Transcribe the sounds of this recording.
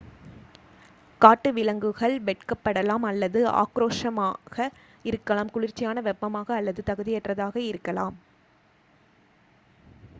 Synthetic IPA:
kaːʈːɯʋɪlɐŋɡɯɣɐɭʋɛʈkɐpːɐɽɐlaːmɐlːɐðɯa̰ːkɾoːʂɐmaːɣɐ | ɪɾɯkːɐlaːmkʊɻɪɾt͡ʃːɪjaːnɐʋɛpːɐmaːɣɐːlːɐðɯt̪ɐɣɯðɪjɛʈrɐðaːɣɐɪɾɯkːɐlaːm

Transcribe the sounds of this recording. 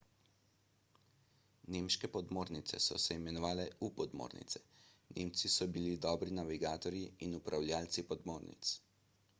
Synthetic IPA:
neːmʃkɛpɔd̪moːɾnit̪sɛ̰sɔ̰sɛimɛnɔʋaːlɛupɔd̪mo̰ːɾnḭt̪sɛ̥nemt̪sisɔbilid̪ɔːbɾinaʋiɡaːt̪ɔɾjiːnupɾawlʲjaːlt̪sipɔd̪moːɾnḭt̪s

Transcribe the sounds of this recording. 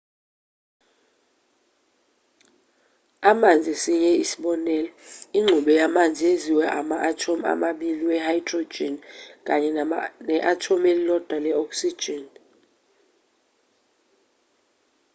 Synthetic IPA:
amand͡zʱisiɲɛisi̥ɓɔnɛlɔiŋ͡ǁʱuɓɛjamand͡zʱieziwɛʔamaʔatʰoma̰maɓiliwɛhajd̥ro̥d͡ʒʱɛnk̬ʼaɲɛnɛʔatʰomelilɔd̥ʱwalɛɔkʼsi̥d͡ʒ̥ʱɛn

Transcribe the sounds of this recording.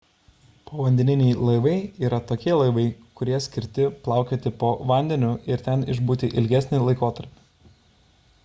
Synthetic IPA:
poːʋɐnʲd̪ʲɛnʲɪnʲɛɪlˠɐɪʋɐɪiːɾɐt̪oːkʲiɛlˠɐɪʋɐɪkʊɾʲiɛsʲkʲɪɾʲt̪ʲɪplˠɑˑʊkʲeːt̪ʲɪpoːʋɐˑnʲd̪ʲɛnʲʊɪɾt̪ʲɛnɪʒbuːt̪ʲiʔɪlʲɡʲæsʲnʲɪlˠɐɪkoːt̪ɐɾʲpʲɪ̥

